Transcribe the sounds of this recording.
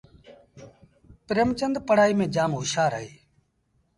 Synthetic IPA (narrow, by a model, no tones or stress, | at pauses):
pɪɾəmt͡ʃənd̪pəɽ̤aːiːmẽːd͡ʒaːmɦʊʃaːɾə̰ɦeː